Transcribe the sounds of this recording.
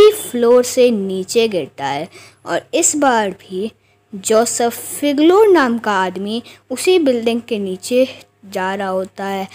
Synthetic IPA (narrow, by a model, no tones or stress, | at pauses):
ifloːɾseniːt͡ʃeɡɛːɾt̪aɦɛː | ɔ̰ːɾɪsbaːɾbʱi | d͡ʒoːsəfːɪɡloːɾnaːmkaaːd̪miʊsibɪlɖɪ̃ŋɡ̚keniːt͡ʃe | d͡ʒaːɾaɦoːt̪aɦɛː